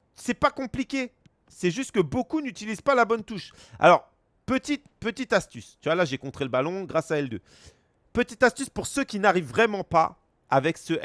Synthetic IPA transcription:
sɛpakɔ̃plikʲe | sɛʒyst̪̚kəbokunyt̪ilizpalabɔnt̪uʃa̰lɔʁ | pət̪it̪pət̪it̪ast̪yst̪ywalaʒekɔ̃t̪χeləbalɔ̃ɡʁasaɛld̪ø̰ | pət̪it̪ast̪yspuʁsøkʲinaʁivːʁɛmɑ̃pa̰ | avɛksəʔ

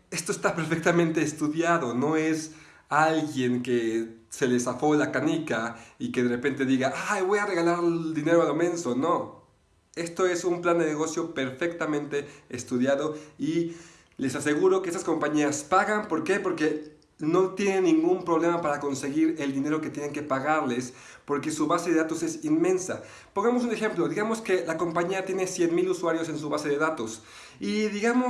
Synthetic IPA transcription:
e̞st̪o̞est̪ape̞ɾfe̞k̚t̪amẽ̞nt̪e̞ːst̪uðjaðo̞no̞e̞s | alɣje̞ŋkese̞lesafo̞lakanikaikeðe̞repe̞nt̪e̞ðiɣaʔajβo̞jare̞ɣalaɾld̪ine̞ɾoalomẽ̞nso̞no | e̞st̪o̞e̞sumpland̪eneɣo̞sjo̞pe̞ɾfe̞kt̪amẽnt̪e̞ːst̪uðjaðo̞i | le̞sase̞ɣuɾo̞kees̬asko̞mpaɲiaspaɣampo̞ɾke̞po̞ɾke̞ | no̞t̪je̞ne̞nːĩŋɡumpɾo̞βle̞mapaɾako̞nse̞ɣiɾe̞ld̪ine̞ɾo̞ket̪jene̞ŋke̞paɣaɾle̞s | po̞ɾke̞suβaseðeðat̪o̞se̞sinmẽ̞nsa̰ | po̞ŋɡamo̞s̬une̞xe̞mplo̞ðiɣamo̞ske̞lako̞mpaɲiat̪je̞ne̞sje̞nmiluswaɾjo̞se̞nsuβase̞ðeðat̪o̞s | iðiɣamo

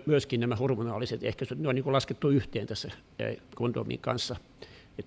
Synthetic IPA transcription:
myøskinnæmæhurmunɑːliset̪ḛhkæsot̪neoniŋkulɑsket̪ːuyht̪eːnt̪æsːæ̰ | kont̪o̰mḭŋkɑ̰nsːɑ | et̪

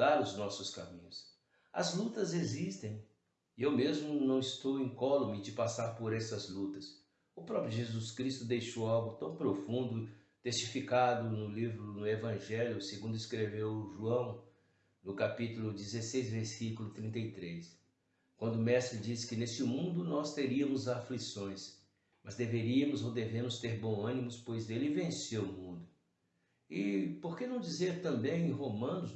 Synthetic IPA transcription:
aɾʊznɔsʊskamĩɲʊs | ɐ̰zlut̪ɐzezist̪ẽj̃ | ewmezmʊnɐ̃w̃ɪst̪owẽj̃kɔlomɪd͡ʒɪpasaɾpoɾɛsɐzlut̪ɐs | ʊpɾɔpɾjʊʒezuskɾist̪ʊd̪ejʃowawɡʊt̪ɐ̃w̃pɾofũnd̪ʊ | t̪est͡ʃifikad̪ʊnʊlivɾʊnʊevɐ̃ʒɛljʊseɡũnd̪ʊɪskɾevewʒuɐ̃w̃ | nʊkapit̪ulʊd͡ʒizesejzveɾsikulʊt̪ɾĩnt̪ɐjt̪ɾes | kwɐ̃nd̪ʊmɛst̪ɾɪd͡ʒiskɪnest͡ʃɪmũnd̪ʊnɔst̪eɾiɐmʊzaflisõj̃s | mɐzd̪eveɾiɐmʊzowd̪evẽmʊst̪eɾbõw̃ɐ̃nimʊspojzd̪elɪɪvẽsewʊmũnd̪ʊ | ɪpoɾkenɐ̃w̃d͡ʒizeɾt̪ɐ̃mbẽj̃ẽj̃ɦomɐ̃nʊs

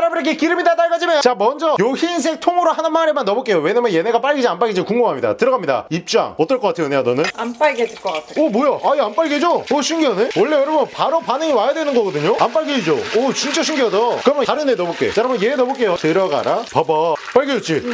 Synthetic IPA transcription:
ɾabɯɾeɡekiɾɯmidat͈aɭɡad͡ʑimejt͡ɕamʌnd͡ʑʌjoçins̬ʰe̞ŋtʰoŋɯɾohanɯnmaɾemanːʌbok͈e̞jowe̞ɲamjʌnjeneɡap͈aɭɡid͡ʑianp͈aɭɡid͡ʑikuŋɡoŋɦamɲida̰tɯɾʌɡamɲida̰ip̚t͡ɕ͈a̰ŋʌt͈ʌɭk͈ʌk͈atʰejoneanʌnɯnamp͈aɭɡedeɭk͈ʌk͈atʰeʌbojʌʔaiamp͈aɭɡed͡ʑooɕʰiŋɡjʌnɯnwʌɭːeʌɾɯmonpaɾopanɯŋiwajadwe̞nɯnɡʌɡʌdɯɲoamp͈aɭɡeid͡ʑoot͡ɕint͡ɕ͈ʌɕʰuŋɡjʌdʌkɯɾʌmjʌaɾɯnːenʌbok͈ḛt͡ɕ͈aɾamʌnje̞ːnʌbok͈e̞jotɯɾʌɡa̰ɾapʌbʌp͈aɭɡeʌt͡ɕ͈i

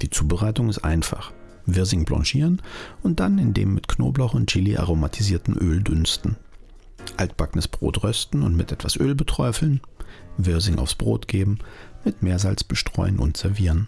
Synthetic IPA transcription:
d̥iːt͡suːbəʁaɪtʊŋɪstʔa̰ɪnfa̰χ | vɪɐzɪŋblɑ̰̃ʃiːʁənʔʊnt̚d̥anɪndḛːmːɪtkno̰ːblaʊxʊntt͡ʃɪliʔa̰ʁomatʰiziːɐtn̩ʔøːldʏnstn̩ | ʔalt̚b̥aknəsb̥ʁo̰ːtʁœstn̩ʊ̰ntmɪtʔɛtv̥asʔøːlbətʰʁ̥ɔʏfl̩nvɪɐzɪŋʔa̰ʊfsb̥ʁo̰ːtɡ̥eːbm̩mɪtmeːɐzalt͡sb̥əʃtʁ̥ɔ̰ʏənʔʊ̰ntz̥ɛɐviːʁən

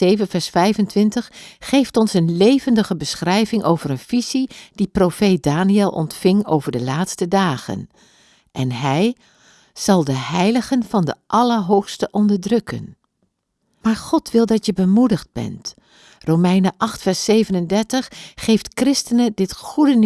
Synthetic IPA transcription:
ejvənvɛɹsfɛjvəntʋɪntəχχejftɔnsənlejvəndəχəbəsχrɛjvɪŋʔowvəɾənvizid̥iprofet̚daːniɛlˠʔɔ̰ntfɪŋo̰wvəɹdəlaːtstədaːχə̰n | ʔɛnɦɛj | z̥ɑlˠdəɦɛjləχənvɑndəʔɑləɹɦowχstəʔɔndəɹdrɵkə̰n | maːɹχɔtʋɪlˠdɑtjəbəmudəχd̚bɛ̰nt | rowmɛjnəʔɑχtfɛɹsejvənəndɛɹtəχːejftkrɪstənədɪtχudən

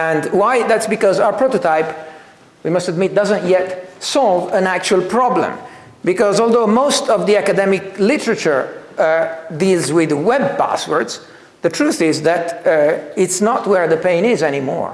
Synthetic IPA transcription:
ɛ̃ndwajd̪ætsbikɔzaʊəɹpɹot̪ot̪aɪp | wimʌstəd̪mɪt̚d̪ʌzə̃ntjɛtsɔlˠvæ̃næk̚t͡ʃuəlˠpʰɹɑblə̰̃m | bikɔzɔlˠd̪oʊmoʊst̪ɔvðiakad̪ɛmɪklɪtəɹat͡ʃəɹ | dilzwɪðwɛb̚pæ̰swə̰˞ds | d̪ətʰɹuθɪzðæt | ɪtsnətwəɹðəpẽɪ̃nɪzɛnimɔ̰ɹ

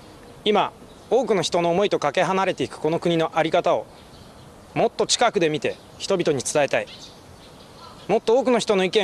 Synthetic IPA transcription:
ima | o̞ːkɯ̟noçi̥t̪o̞no̞ːmo̞it̪o̞kake̞ɦanaɾe̞t̪e̞ikɯ̟̥ko̞no̞kɯ̟ɲ̟ino̞ʔaɾʲikat̪ao̞ | mo̞t̪ːo̞t͡ɕi̥kakɯ̟d̪e̞mʲit̪e̞ | çi̥t̪o̞bʲit̪oɲ̟it͡sɨ̥t̪ae̞t̪ai | mo̞t̪ːooːkɯ̟no̞çi̥t̪o̞no̞ikẽ

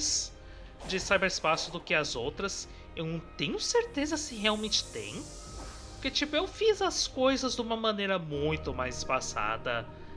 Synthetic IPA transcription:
s | d͡ʒɪsajbɛɾɪspasʊd̪ʊkɪɐzowt̪ɾɐs | ewnɐ̃w̃t̪ẽɲʊseɾt̪ezɐsɪɦeawmẽnt͡ʃɪ̥t̪ḛ̃j̃ | pʊɾket͡ʃipʊewfizɐskojzɐzd̪ɪũmɐmɐ̃nejɾɐmũj̃t̪ʊmajzɪspasa̰d̪ɐ

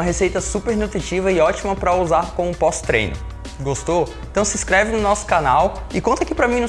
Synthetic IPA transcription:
ɐɦesejt̪ɐsupeɾnut̪ɾit͡ʃivɐɪɔt͡ʃimɐpɾɐuzaɾkõũpɔst̪ɾḛjnʊ̰ | ɡost̪oẽt̪ɐ̃w̃sɪ̃skɾɛvɪnʊnɔsʊ̥kanawɪkõt̪ɐkɪpɾɐmĩnũ

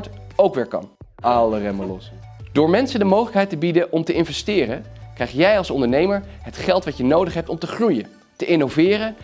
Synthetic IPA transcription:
towkʋɪːɹkɑ̰n | ɑlərɛməlɔ̰s | d̥ʊːɹmɛnsəndəmowχələkɦɛjtəbidəʔɔmtəʔɪnvɛstɪːrəkrɛjχjɛjɑlˠsɔndəɹnejməɹ | ɦətχɛlˠtʋɑtənowdəχɦɛp̚tɔmtəχrujə | təʔɪnowvɪːrə

